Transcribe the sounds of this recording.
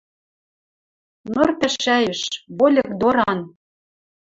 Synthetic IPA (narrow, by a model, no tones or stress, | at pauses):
nɤrt̪ɘ̆ʃæjɘ̆ʃβolʲɤ̆kd̪oɾɑn